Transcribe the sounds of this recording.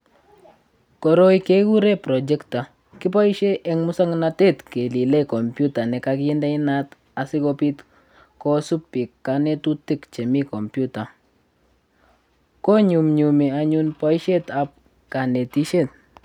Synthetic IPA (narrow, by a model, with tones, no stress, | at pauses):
kɔ˨ɾo˦jke˦ku˦ɾe˦pɾɔ˨d͡ʒɛ˦kta˨ | kɪ˦pɔ˦jʃe˦ʔɛŋmʊ˦sa˦ŋnate˦tke˨li˨le˦kɔ˨mpju˦ta˨nɛ˨kakɪ˦ɪ˦nda˦ina˦t | a˨si˦kɔpi˦t | kɔ˦su˦pːi˨kːanɛ˦tu˦tɪ˦kt͡ʃe˨mi˦kɔ˨mpjuta˨ | kɔ˦ɲu˨mɲu˨mi˨aɲu˦npɔ˦jʃe˦tap̚ | ka˨ne˨ti˦ʃet̚